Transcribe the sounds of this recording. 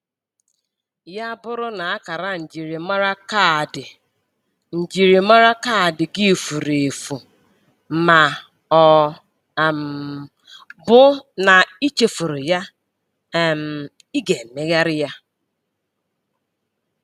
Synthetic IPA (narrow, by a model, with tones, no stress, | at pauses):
ja˦bʊ˦ɾʊ˦na˨a˦ka˨ɾa˨n̩˨d͡ʒi˨ɾi˨ma˦ɾa˦ka˦dɪ˨ | n̩˨d͡ʒi˨ɾi˨ma˦ɾa˦ka˦˨dɪ˨ɡi˦˨fu˨ɾe˨e˨fu˨ | ma˨ | ɔ˨ | m˨ | bʊ˦na˨i˦t͡ʃe˨fu˨ɾʊ˨ja˦˨ | m̩˨ | i˦ɡe˨me˦ɣa˦ɾɪ˦ja˦